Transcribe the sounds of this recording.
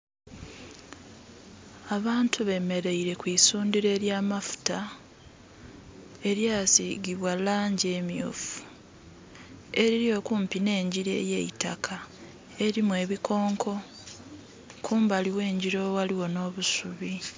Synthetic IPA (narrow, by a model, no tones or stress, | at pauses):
aβaːntʰuβe̞me̞ɾe̞iɾe̞kwiːsuːndiɾe̞ːɾjaːmafu̥ta | e̞ɾjaːsiɡiβwalaːɲɟemjṵːfu̥ | e̞ɾiɾjo̞kuːmpine̞ːɲɟiɾe̞̰ːjḛita̰kʰa | e̞ɾimwe̞ːβikʰo̞ːŋkʰo̞ | kʰuːmbaliwe̞ːɲɟiɾo̞waliwo̞no̞ːβusuβi